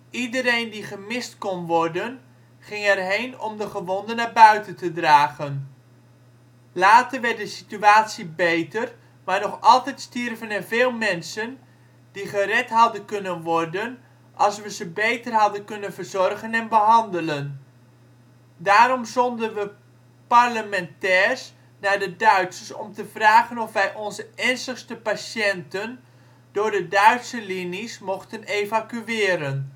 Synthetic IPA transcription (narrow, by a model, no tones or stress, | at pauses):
idəɾejndiχəmɪstkɔnʋɔrdən | χɪŋɛrɦejnɔ̰mdəχəʋɔndənaːbœɥtəntədraːɣən | laːtəʋɛr̚dəsityaːtsibejtər | maːɹnɔχɑlˠtɛjtstirvənɛnveːlˠmɛnsən | d̥iχərɛtɦɑdənkɵnənʋɔrdən | ʔɑlˠsʋəzəbejtərɦɑdənkɵnənvərzɔrɣənɛnbəɦɑndələn | daːɾɔmzɔndənʋə | parləmɛntɛːrs | nadədœɥtsəsɔ̰mtəvraːɣənɔfʋɛjʔɔnzəɛnstəχstəpasjɛntən | d̥ʊːrdədœɥtsəlinismɔχtənevakyɪːɾən